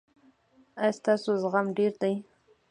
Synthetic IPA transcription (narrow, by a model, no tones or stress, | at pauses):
ajst̪ɑsozɣamɖeɾd̪aj